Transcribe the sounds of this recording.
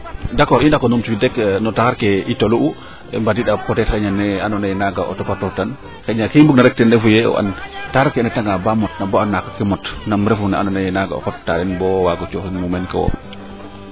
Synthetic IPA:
dakːɔindakːɔnumt͡ʃubidɛknɔtaxaɾkɛʔitoluʔu | ɛ̰mbadiɗakɔtɛtxɛɲanɛanɔnajnaɡaʔɔ̰tɔpatɔtan | xɛɲakimbuk̚naɾɛk̚tɛndɛfujɛɔ̰ʔa̰ntaxaɾkɛnɛtaŋɡabamɔtnabɔanːakakːɛmɔtnamɾɛfunɛanɔnajnaɡa̰ɔ̰xɔttːa̰ɗɛnbɔwaɡɔt͡ʃɔxinmumɛnkɛwɔ̰

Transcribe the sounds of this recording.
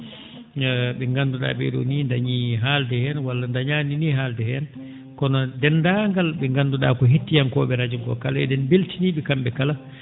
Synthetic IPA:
ɓɛŋɡanduɗa̰ːɓɛ̰ɗṵniːndaɲiɦaldɛhɛnwalːandaɲaːniniːɦaːldɛhɛn | kɔnɔdɛndaːŋɡalɓɛŋɡanduɗa̰ːkɔɦetːijankɔːɓɛɾad͡ʒumkɔ̰kalaɛ̰dɛnbeltiniːɓɛkambɛkala

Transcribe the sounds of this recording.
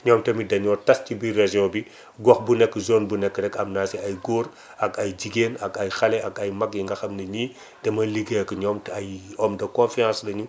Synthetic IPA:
ɲɔːmtɛmidɐɲɔtɐscibiraʒiɔ̃ːbi | ɡɔxbunɛkːəzoːnbunɛkːɾɛkɐmnaːsɛɐjɡoːɾ | ɐɡɐjɟiɡeːnɐɡɐjxɐlɛɐɡɐjmɐɡiŋɡɐxɐmnɐɲiː | tɛmɐliɡekəɲɔːmtajɔmdɐkɔ̃fiãːslɐɲu

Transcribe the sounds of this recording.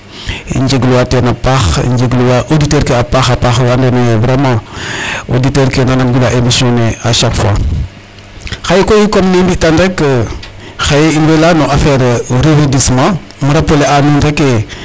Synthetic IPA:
ḭɲd͡ʒeɡluwatenapaxḭɲd͡ʒeɡluwaʔoditɛɾkeapaxapaxwandenevɾemã | oditeɾkenanamɡilaʔemisioneaʃakfwa̰ | xajekoikomninbitandekə | xajeinbelanoʔafɛɾɾevedismã | muɾapoleanundeke

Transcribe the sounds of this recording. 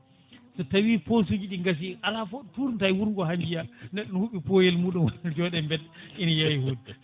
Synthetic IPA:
sɔtawiːpos̬ud͡ʒiɗiŋɡas̬iʔalafotuɾntajwuɾŋɡɔɦamd͡ʒijanɛɗɔnhuɓipojɛlmuːɗumwand͡ʒɔɗɛmbɛdʔinajawhud

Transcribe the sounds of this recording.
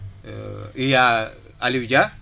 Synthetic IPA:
ija | aliwd͡ʒa

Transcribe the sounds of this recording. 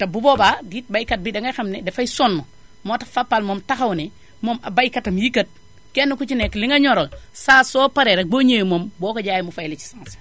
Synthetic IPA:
tabubobadit̚bajkat̚bidaŋɡaxamnedefajsonːo | motḁfapːalmomtaxawne | momabajkatamjikət̚ | kenːukut͡ʃinekliŋaɲoɾolsasopaɾeɾaɡ͡boɲejmombokad͡ʒaːjimufailit͡ʃi̥sãːs

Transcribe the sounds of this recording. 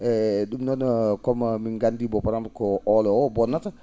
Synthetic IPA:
ɛɗumnɔnɔkɔmmiŋɡandibɔpaɾamkɔʔɔlɔwɔbɔnːata

